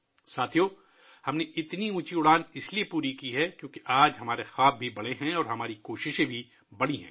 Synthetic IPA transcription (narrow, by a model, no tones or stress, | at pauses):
saːt̪ʰijoː | hɐmneʔɪt̪niũːt͡ʃiʊɽaːnɪsliepuːɾikiɦɛkjõːkeʔaːd͡ʒɦɐmaːɾexaːb̚ːʱibɐɽeɦɛ̃ɔːɾɦɐmaːɾikoːʃɪʃẽbʱi | bɐɽiɦɛ̰̃ː